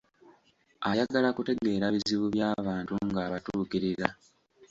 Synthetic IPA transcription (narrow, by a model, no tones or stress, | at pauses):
ajaɡalakute̞ɡe̞ːɾaβiziβuβjaːβaːntuŋɡaːβatuːkiɾiɾa